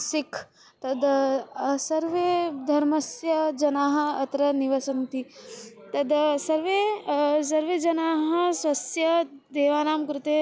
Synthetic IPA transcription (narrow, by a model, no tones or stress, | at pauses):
sikʰ | t̪ɐd̪ | sɐɾʋeːd̪ʱɐɾmɐsjɐd͡ʒɐnaːɦɐ̆ɐt̪ɾɐniʋɐsɐnt̪it̪ɐd̪sɐɾʋeːs̬ɐɾʋeːd͡ʒɐnaːɦɐ̆sʋɐsjɐd̪eːʋaːnaːmkɾut̪eː